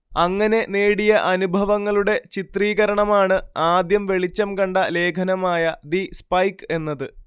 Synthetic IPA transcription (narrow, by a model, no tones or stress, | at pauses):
ɐŋːɐne̞ne̞ːɽijɐʔɐnubʱɐʋɐŋːɐɭuɽe̞t͡ɕit̪riːɣɐɾɐɳɐmaːɳɨaːd̪jɐmʋe̞ɭit͡ɕːɐmkɐɳɖɐle̞ːkʰɐnɐmaːjɐd̪ispɐjke̞nːɐðɨ